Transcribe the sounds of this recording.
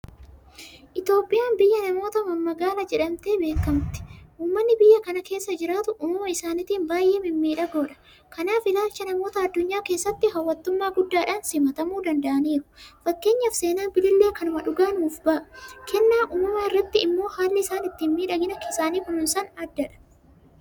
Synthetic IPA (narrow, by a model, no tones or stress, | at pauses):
ʔɪt̪jo̞ːpʼːɪjaːnbɪjːɐnɐmo̞ːt̪ɐmɐmːɐɡaːlɐd͡ʒɛᶑɐmt̪e̞ːbe̞ːkːɐmt̪ɪ̥ʔuːmːɐnːɪbɪjːɐkɐnɐke̞ːsːɐd͡ʒɪɾaːt̪ʊʔʊːmɐmɐɪsaːnɪt̪iːnbaːjʔe̞ːmɪmːiːᶑɐɡo̞ːᶑɐ̥ | kɐnaːfɪlaːlt͡ʃːɐnɐmo̞ːt̪ɐɐd̪ːʊɲːaːke̞ːsːɐt̪ːɪɦɐwːɐt̪ːʊmːaːɡʊd̪ːaːᶑɐnsɪmɐt̪ɐmuːd̪ɐnd̪ɐʔɐniːɾʊ̥fɐkːe̞ːɲːɐfse̞ːnaːnbɪlɪlːeːkɐnʊmɐᶑʊɡaːnuːfbɐʔɐ̥kʰɛnːaːʔʊːmɐmɐɪrːɐt̪ːɪɪmːo̞ːhaːlːɪɪsaːnɪt̪ːiːnmiːᶑɐɡɪnɐkɪsaːniːkʊnʊnsɐnɐd̪ːɐᶑɐ̥